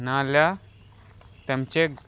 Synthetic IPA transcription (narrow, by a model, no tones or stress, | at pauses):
nãlja | t̪ɐmt͡ʃeɡ